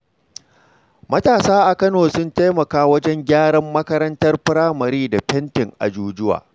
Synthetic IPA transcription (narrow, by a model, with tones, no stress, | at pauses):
mɐ˦taː˨saː˦ʔa˨kɐ˦noː˨sʊ˦nta˦jmɐ˨kaː˦wɐ˦d͡ʒɛ˦ŋɡʲaː˦ɽɐ˦mːɐ˦kɐ˦ɾɐ˦ntɐ˦rɸɪ˦ɽaː˦mɐ˨ɾiː˦da˨ɸɛ˦ntɪ˨ŋʔa̰˨d͡ʒuː˦d͡ʒʊ˦wa̰ː˨